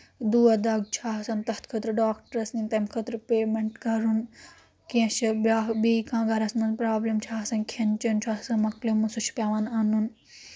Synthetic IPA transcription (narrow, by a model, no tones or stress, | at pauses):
d̪uɐd̪ɐɡ̚t͡ʃʰaːsɐnt̪ɐht̪kʰɐt̪ɾɨɖaːkʈɐɾɐsnint̪ɐmkʰɐt̪ɾpeːmeɳʈɡɐɾun | kiɐ̃ʃibaːɦbiːkãːɡɐɾɐsmɐnpɾaːblemt͡ʃʰaːsɐnkʰent͡ʃɐnt͡ʃʰaːɦsɐnmɐklemusut͡ʃʰpʲaːʋananun